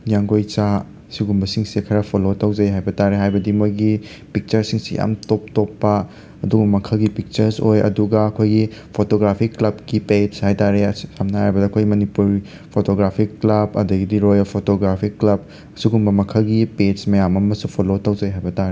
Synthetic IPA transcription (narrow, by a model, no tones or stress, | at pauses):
jaŋɡojt͡ʃa | siɡumbɐsiŋsekʰɐɾɐpʰolotɐwd͡ʒɐjɦajbɐtaɾeɦajbɐdimojɡi | pik̚t͡ʃɐɾsiŋsija̰mtop̚topːɐː | duɡumɐkʰɐɡipik̚t͡ʃɐɾsojɐ̰duɡɐɐkʰojɡipʰotoɡɾapʰiklɐb̚kiped͡ʒshajtaɾesʰamnɐhajbɐdɐkʰojɡimɐnipuɾ | pʰotoɡɾapʰikːlɐbɐ̰dɐɡidiɾojpʰotoɡɾapʰikːlɐb̚ | ɐsiɡumbɐmɐkʰɐɡipemɐjamɐmɐsupʰolotawd͡ʒɐjɦajbɐtaɾe